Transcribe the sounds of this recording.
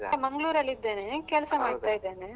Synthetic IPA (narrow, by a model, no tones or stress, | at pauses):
mɐŋɡɐɭuːɾɐlid̪ːeːnekɛlɐsɐmaːɽt̪aːjid̪eːne